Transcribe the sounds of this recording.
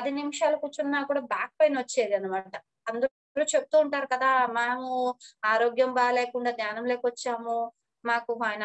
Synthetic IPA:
pɐd̪inimiʂaːlɐkut͡ʃunːaːkuːɽaːbaːk̚pɐjnʋɐt͡ʃːeːɾiɐnimaːʈɐ | ɐnd̪u | luːt͡ʃe̞but̪uːɳʈaːɾukɐd̪aːmaːmuaːɾoːɡjɐmbaːleːkuɳɖaːd̪ɲaːnɐmle̞ːkʋɐt͡ʃːaːmu | maːkuaːjn

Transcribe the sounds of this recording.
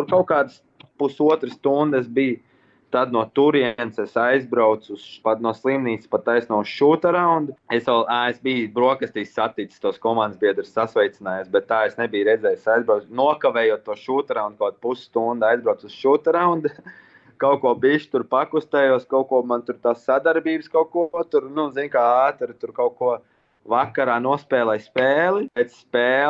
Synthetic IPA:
t̪uɾkaʊkaːd̪əs | pusuɔt̪ɾəst̪und̪esbij | t̪ad̪nuɔt̪uɾiɛnsesajzbɾaʊt̪suspat̪nuɔslˠimniːt̪spat̪ːajsnuɔʃuːt̪aɾawnd̪uesɛlˠaːesbiːbɾuɔkəst̪iːssat̪it̪sst̪uɔskɔmãnd̪zbʲiɛd̪ɾssasʋɛjt̪inaːjuːsbɛt̪ːaːesnebijɾɛd̪zɛːjsajzbɾaʊnuɔkaʋɛːjuɔt̪̚t̪ːuɔʃuːt̪aɾawnd̪̚kawd̪̚pusst̪und̪ajzbɾaʊusʃuːt̪aɾawnd̪ | kaʊkuɔbiʃt̪uɾpakust̪ɛːjuɔskaʊkuɔmant̪uɾt̪aːssad̪aɾbiːbskawkuɔt̪uɾnuzinʲkaaːt̪uɾit̪uɾkaʊkuɔ | vakːaɾaːnuɔspɛːlˠɛjspɛːlˠipɛt̪spɛː

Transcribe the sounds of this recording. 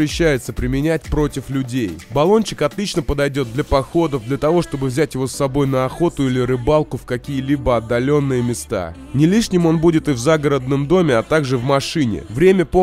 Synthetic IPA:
ɾʲɪɕːæjɪt̪səpɾʲɪmʲɪnʲæt̚ʲpɾo̞tʲɪflʲʉdʲejbɐlˠo̞nʲt͡ɕɪ̥kɐt̪lʲit͡ɕnəpəd̪ɐjdʲo̞t̪d̪lʲɐpɐxo̞d̪əvd̪lʲət̪ɐvo̞ʂt̪o̞bɨvzʲætʲjɪvo̞sːɐbo̞jnəɐxo̞t̪ʊilʲɪɾɨbalˠkʊfkɐkʲijəlʲibəɐd̪ːɐlʲo̞nːɨjəmʲɪst̪a̰ | nʲɪlʲiʂnʲɪmo̞nbudʲɪt̪ɨvzaɡəɾəd̪nəmd̪o̞mʲɪɐt̪aɡʐɨvmɐʂɨnʲɪ̰vɾʲemʲəpo

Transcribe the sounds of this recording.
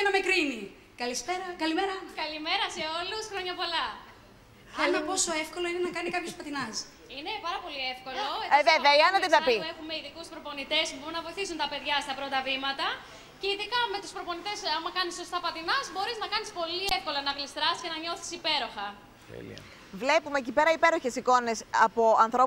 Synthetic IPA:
nɐmekɾini | kɐlispeɾɐkɐlimeɾɐkɐlime̞ɾɐse̞o̞lusxɾo̞ɲɐpo̞lɐ | θelonɐpo̞so̞efko̞lo̞inenɐkɐnikɐpçospɐt̪inɐs | ine̞pɐɾɐpo̞lie̞fko̞lo̞eeveveɐiɐnɐt̪iðɐpiuexumeiðikuspɾo̞po̞nit̪e̞spubo̞ɾunɐvo̞iθisunt̪ɐpe̞ðʝɐst̪ɐpɾo̞t̪ɐvimɐt̪ɐ | ceiðikɐme̞t̪uspɾo̞po̞nit̪e̞sɐmɐkɐnisːo̞st̪ɐpɐt̪inɐzbo̞ɾiznɐkɐnispo̞liefko̞lonɐɣlist̪ɾɐscenɐɲo̞si̥sipe̞ɾo̞xɐ | t̪ḛlḭɐ̰ | vle̞pumecipe̞ɾɐipe̞ɾo̞çe̞siko̞ne̞sɐpo̞ʔɐnθɾo̞

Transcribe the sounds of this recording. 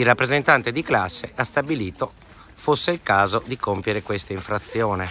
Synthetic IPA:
irːapːɾezent̪ant̪ed̪iklasːeʔast̪abiliːt̪o | fosːeilkaːzod̪ikompjeɾekwest̪aiɱfɾat̪sːjɔːnɛ

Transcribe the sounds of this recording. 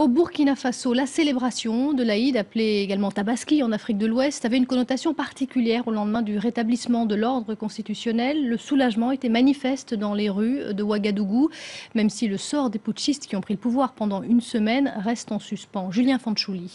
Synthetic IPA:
obuʁkʲinafasolaselebʁasjɔ̃d̪əlaid̪apleeɡalmɑ̃t̪abaskʲiɑ̃nafχik̚d̪əlwɛst̪avɛynkɔnɔt̪asjɔ̃paʁt̪ikʲyljɛʁolɑ̃d̪mɛ̃d̪yʁet̪ablismɑ̃d̪əlɔʁd̪ʁəkɔ̃st̪it̪ysjɔnɛlːəsulaʒmɑ̃et̪ɛmanifɛst̪d̪ɑ̃leʁyd̪əwaɡad̪uɡumɛmsiləsɔʁd̪epuʃist̪kʲiɔ̃pχiləpuvwaʁpɑ̃d̪ɑ̃ynsəmɛnʁɛst̪ɑ̃syspɑ̃ʒyljɛ̃fɑ̃ʃuli

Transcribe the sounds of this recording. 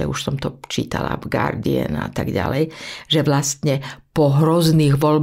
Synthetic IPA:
ɛ̰uʃsɔmt̪ɔt͡ʃiːt̪ala̰vɡaɾd̪iɛ̰na̰t̪aɡɟa̰lɛjʒɛʋlast̪ɲɛpɔɦɾɔzniːɣʋɔlb

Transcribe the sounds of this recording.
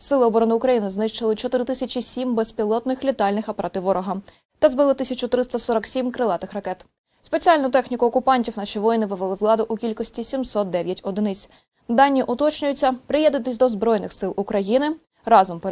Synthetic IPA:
sɪlˠɪɔbɔɾɔnɪʊkɾɐjinɪznɪʃt͡ʃɪlˠɪt͡ʃɔt̪ɪɾɪt̪ɪsʲɐt͡ʃʲisʲimbespʲilˠɔt̪nɪxlʲit̪ɑlʲnɪxɐpɐɾʔɑt̪ɪʋɔɾɔɦɐ | t̪ɐzbɪlˠɪt̪ɪsʲɐt͡ʃʊt̪ɾɪst̪ɐsɔɾɐksʲimkɾɪlˠɑt̪ɪxɾɐkɛt̪ | spe̞t͡sʲiɑlʲnʊt̪ɛxnʲikʊɔkʊpɑnʲtʲiwnɑʃiʋɔjinɪpɪʋelˠɪzlˠɑd̪ʊʔʊkʲilʲkɔsʲtʲisʲimsɔt̪̚d̪ɛʋʲjɐtʲɔd̪ɪnɪt͡sʲ | d̪ɑnʲːiʔʊt̪ɔt͡ʃnʲʊjʊt͡sʲːɐpɾɪjɛd̪nɪt̪ɪsʲd̪ɔzbɾɔjnɪxsɪlˠʊkɾɐjinɪ | ɾɑzɔmpe

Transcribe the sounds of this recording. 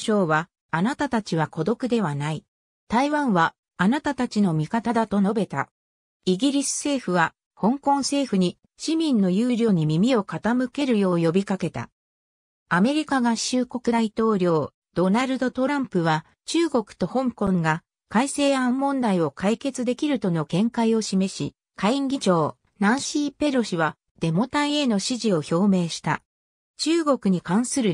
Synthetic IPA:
ɕoːβa | anat̪at̪at͡ɕiβako̞d̪o̞kɯ̟d̪e̞βanai | t̪aiβãɰ̃βa | anat̪at̪at͡ɕino̞mʲikat̪ad̪at̪o̞no̞be̞t̪a̰ | iɡʲiɾʲisɨ̥se̞ːɸɯ̟βa | hõ̞ŋkõ̞ɰ̃se̞ːɸɯ̟ɲ̟i | ɕimʲĩnːo̞jɯːɾʲo̞ːɲ̟imʲimʲio̞kat̪amɯ̟ke̞ɾɯ̟jo̞ːjo̞bʲikake̞t̪a̰ | ame̞ɾʲikaɡaɕɨːko̞kɯ̟d̪ait̪o̞ːɾʲo̞ː | d̪̥o̞naɾɯ̟d̪o̞t̪o̞ɾãmpɯ̟βa | t͡ɕɨːɡo̞kɯ̟̥t̪o̞hõ̞ŋkõ̞ŋɡa | kaise̞ːãmːõ̞nd̪aio̞kʰaike̞t͡sɨd̪e̞kʲiɾɯ̟t̪o̞no̞kẽ̞ŋkaio̞ɕime̞ɕḭ | kʰaiŋɡʲid͡ʑo̞ː | nãɰ̃ɕiːpe̞ɾo̞ɕiβa | d̪̥e̞mo̞t̪aie̞no̞ɕiʑio̞ço̞ːme̞ːɕi̥t̪a̰ | t͡ɕɨːɡo̞kɯ̟ɲ̟ikãɰ̃sɨɾɯ̟

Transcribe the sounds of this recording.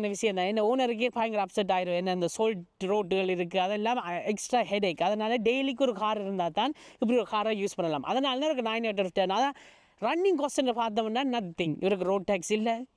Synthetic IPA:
nːɐʋɪʂɐjɐ̃nd̪ãːɛnːɐoːnɐɾɯk̬ːɯpaːjŋɡɾɐɐpsɐʈ̬ːaːjɪɾɐ̃ɛnːɐɪnd̪ɐsoːlʈɾoːʈːɯɣɐɭɪɾɯkːɯɐðɛlːaːmɛksʈɾaːhɛɖeːkːɐðɐnaːlɐɖejlik̬ːɔɾɯkaːɾɪɾɯnd̪aːt̪aːnɪpːɐɽiɔɾɯkaːɾaːjuːspɐɳːɐlaːmʔɐ̰ðɐnaːlɐãːɪɾɯkːɯnaːjneːʈ̬ːɐɾsʈɛnaðãː | ɾɐnːɪŋkosɛnɐpaːɾt̪̬ɐ̃mɐnːaːnɐt̪t̪ːɪŋɪ̰ʋɐɾɯk̬ːɯɾoːɖ̚ʈaːksɪlːɛ

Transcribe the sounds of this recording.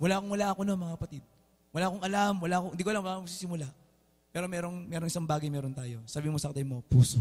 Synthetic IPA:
wɐlaːʔkoŋwɐlaʔɐkononmɐŋakɐpɐt̪id̪̚ | wɐlaʔkoŋʔɐlamwɐlaːkoŋɪd̪ikolaŋwɐalamɡsiːsɪmʊla | pɛːɾo̞mɛːɾoŋmɛːɾoŋʔɪsaŋbaːɡɐjmɛːɾont̪aːjo̞sabiimosɐkt̪ɐjmopuːso

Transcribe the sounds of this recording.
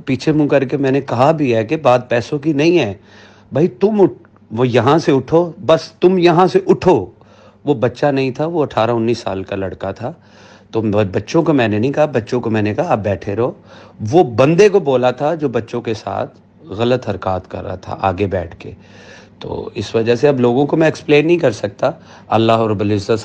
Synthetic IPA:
piːt͡ʃʰemũkɐɾkemɛːnekɐɦabʱiɦɛkebaːd̪̚pɛːsõkinɐɦĩɦɛː | bʱaːit̪ʊmʊ | ʋjɐɦãseʊʈʰoːbɐst̪ʊmjɐɦãseʔʊʈʰo | ʋobɐtːʃanɐɦĩt̪ʰaʋoɐʈʰaːɾaʊnːiːsːa̰ːlkalɐɽkat̪ʰaː | t̪obɐtːʃõkomɛ̃ːnenɐɦĩkɐɦabɐtːʃõkomɛ̃ːnekaɦaːp̚bɛːʈʰeɾɐoːʋobɐ̃nd̪ekoboːlat̪ʰad͡ʒoːbɐtːʃõkesa̰ːt̪ʰ | ɣɐlət̪ɦɐɾkaːt̪kɐ̰ɾːa̰at̪ʰa̰ʔaːɡebɛːʈʰkḛː | t̪o̰ːɪsʋɐd͡ʒəɦseɐbloːɡõkomɛ̃ːksplẽːnːɐɦĩkɐɾsɐk̚t̪a | ɐlːaːɦɔɾɐbʊlɪzːət̪

